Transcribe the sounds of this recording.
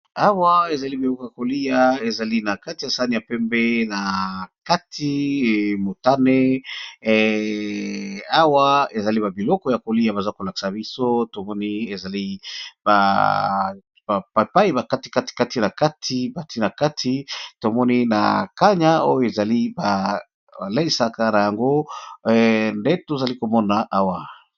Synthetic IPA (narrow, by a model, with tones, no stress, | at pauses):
a˦wa˦e˨za˨li˦bi˨lɔ˦kɔ˨ja˨ko˨li˦ja˨e˨za˨li˦na˨ka˦ti˨ja˨sa˦ni˨a˨pɛ˦mbe˦na˨ka˦tʰi˦˨mo˨ta˦ne˦ | a˦wa˦e˨za˨li˦ba˨bi˨lɔ˦kɔ˦ja˨ko˨li˦a˨ba˨za˦ko˨la˨ki̥˨sa˨bi˦so˦to˨mɔ˦ni˦e˨za˨li˦ba˨ | ba˨a˨pa˦i˦ba˨ka˦ti̥˨ka˦ti̥˨ka˦ti˨na˨ka˦tʰi˦ba˨ti˦na˨ka˦tʰi˦to˨mɔ˦ni˦na̰˨ka˦ɲa˦o˦jo˦˨e˨za˨li˦ba˨ | ba˨le˦i˨sa˦ka˦na˨ja˨ŋɡo˦ | nde˦to˨za˨li˦ko˨mɔ˦na˨ʔa˦wa˨